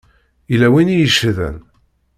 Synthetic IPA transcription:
ilæwinijəʃðə̰n

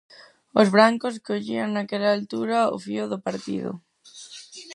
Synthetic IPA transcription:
ozβɾaŋkos̬koʎiaŋnakeʎaːlt̪uɾao̰fioðopaɾt̪ḭðo̰

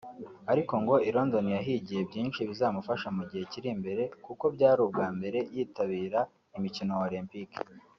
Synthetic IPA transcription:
aɾiko̞ŋɡo̞iɾo̞ndo̞nijaɦiɟije̞bɟiːnʃiβizaːmufaʃamuɟihe̞ciɾimbe̞ɾe̞kuko̞bɟaːɾubɡaːmbe̞ɾe̞jiːtaβiːɾa | imicino̞olimpik

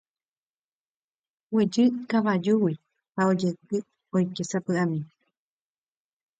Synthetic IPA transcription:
wed͡ʒɨkaʋad͡ʒuwi | hao̞d͡ʒet̪ɨ | ojkesapɨamĩ

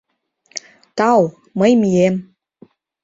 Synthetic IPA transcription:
t̪ɑw | məjmijem

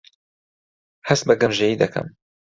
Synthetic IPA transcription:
hɐs̚bɐɡɐmʒejiːd̪ɐkʰɐ̰m

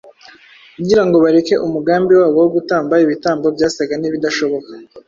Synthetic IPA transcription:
kuɟiɾaŋɡo̞βaɾe̞ke̞ʔumuɡaːmbiwaːβo̞woɡutaːmbaiβitaːmbo̞bɟaːsaɡaniβidaʃo̞βo̞kḁ

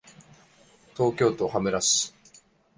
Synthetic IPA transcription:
t̪o̞ːkʲo̞ːt̪o̞hamɯ̟ɾasɨ̥

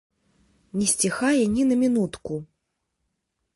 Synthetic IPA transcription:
nʲɛsʲt͡sʲixajɛnʲinɐmʲinut̪ku

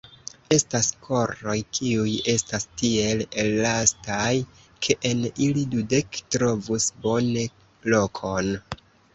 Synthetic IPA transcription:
e̞staskʰo̞ɾo̞jkʰiuje̞stastie̞lelːastaj | kʰe̞ʔenilidude̞ktɾo̞vusbo̞ne̞ | lo̞kʰo̞n

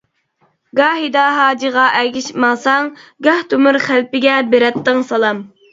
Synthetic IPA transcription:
ɡɑːɦid̪ɑɦɑːd͡ʒiʁɑʔɛɡʲɪʃmɑsɑŋɡɑht̪ʰumuɾχælpɪɡʲɛbeɾɛt̪ːɨŋsɑlˠɑm

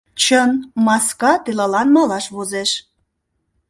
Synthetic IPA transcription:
t͡ɕənmɑskɑt̪elɑlɑnmɑlɑʃβozeʃ

